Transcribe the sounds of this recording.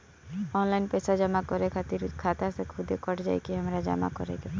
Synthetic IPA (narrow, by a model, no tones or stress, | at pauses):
ɔːnlaɪnpɛːsad͡ʒəmakɔɾekʰat̪iɾkʰaːt̪asekʰʊd̪ʱekɔʈʰd͡ʒa̰ːekiɦəmɾad͡ʒa̰ma̰kɔ̰ɾḛɡe